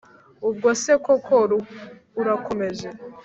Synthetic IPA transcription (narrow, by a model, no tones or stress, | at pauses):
ub̚ɡosekokʰoɾuː | ɾako̞me̞ʒe̞